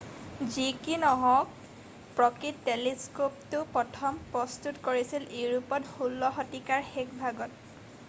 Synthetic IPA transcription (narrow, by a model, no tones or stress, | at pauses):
zikinɔɦɔ̃k | pɹɔkitːeliskoptʊpɔtʰɔmpɹɔstutkoɹisileɹupɔthulːɔxɔtikaɹxekbʱaɡɔt̚